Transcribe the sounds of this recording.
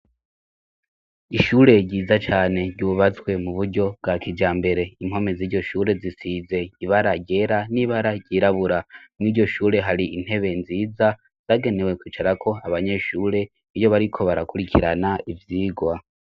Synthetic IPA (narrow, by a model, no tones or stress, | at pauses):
iʃuːɾe̞ɟiːzat͡ʃaːne̞ɟɟuːβat͡swe̞muβuɾɟo̞bɡakid͡ʒaːmbe̞ɾe̞im̥ho̞meziɾɟo̞ʃuːɾe̞zisize̞iβaɾaɟɟe̞ɾaniβaɾaɟɟiːɾaβuɾamniɾɟo̞ʃuːɾe̞ɦaɾiin̥he̞βenziːza | z̥aːɡe̞ne̞we̞kwiːt͡ʃaɾakʰo̞aβaɲe̞ʃuːɾe̞ | ijo̞βaɾikʰo̞βaɾakuɾikʰiɾanaivjiːɡwa